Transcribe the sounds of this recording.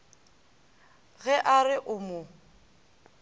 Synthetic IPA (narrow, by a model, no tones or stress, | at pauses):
ɣɛʔarɪʔʊmʊ